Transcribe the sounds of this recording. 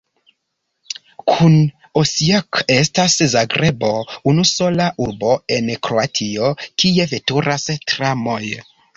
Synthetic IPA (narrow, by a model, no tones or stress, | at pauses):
kʰun | osiakestaszaɡɾʔebo̞unuso̞laʔuɾbo̞e̞nkɾoatʰiokie̞ve̞tuɾastɾamo̞j